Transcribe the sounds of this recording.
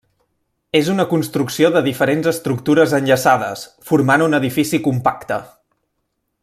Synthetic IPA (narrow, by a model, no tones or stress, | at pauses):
ezunəkunst̪ɾuksioðəðifəɾenzəst̪ɾuk̚t̪uɾəzənʲʎəsaðə̰sfuɾmanunəðifisikumpakt̪ə